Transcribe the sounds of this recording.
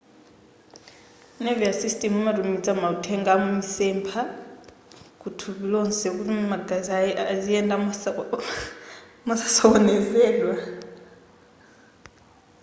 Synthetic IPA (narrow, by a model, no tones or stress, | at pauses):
neviasistʼɛmumatumid͡zʼamautʰɛŋɡamumisɛmpʰa | kʰʼutʰuβilonsɛk̬uimaɡazaiaziɛndʼa | mɔsḁsɔwɔnɛzɛːlwa